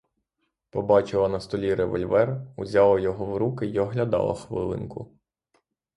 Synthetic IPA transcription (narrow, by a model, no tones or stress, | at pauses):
pɔbɑt͡ʃɪlˠɐnɐst̪ɔlʲiɾeʋɔ̰lʲʋɛruzʲɑlˠɐjɔɦɔwɾukɪjɔɦlʲɐd̪ɑ̰lˠɐ̰xʋɪ̰lˠɪ̰nkʊ̰